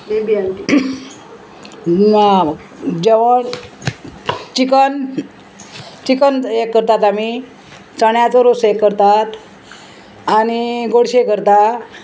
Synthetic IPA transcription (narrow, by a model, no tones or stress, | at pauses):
ebiaʈi | d͡ʑeʋəɳ | t͡ɕikən | t͡ɕikənekːəɾt̪at̪am̤i | t͡səɳjat͡səɾosekːəɾt̪at̪ | añiɡoɽɕekəɾt̪a